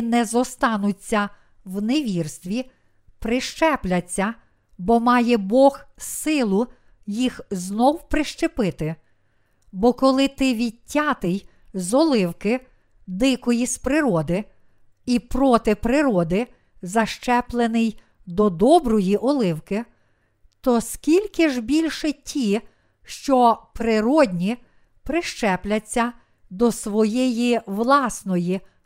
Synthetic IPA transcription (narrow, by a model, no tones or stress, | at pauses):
nɛzɔst̪ɑnʊt͡sʲːɐ | wneʋʲirst̪ʋʲi | pɾɪʃt͡ʃɛplʲɐt͡sʲːɐ | bɔmɑjɛbɔɣsɪlˠʊ | jixznɔwpɾɪʃt͡ʃepɪt̪ɪ | bɔkɔlˠɪt̪ɪʋʲitʲːɑt̪ɪj | zɔlˠɪwkɪ | d̪ɪkɔjispɾɪɾɔd̪ɪ | ipɾɔt̪ɪpɾɪɾɔd̪ɪ | zɐʃt͡ʃɛplˠenɪj | d̪ɔd̪ɔbɾɔjiʔɔlˠɪwkɪ | t̪ɔskʲilʲkɪʒbʲilʲʃɛtʲʰi | ʃt͡ʃɔpɾɪɾɔdʲnʲi | pɾɪʃt͡ʃɛplʲɐt͡sʲːɐ | d̪ɔsʋɔjɛjiʋlˠɑsnɔji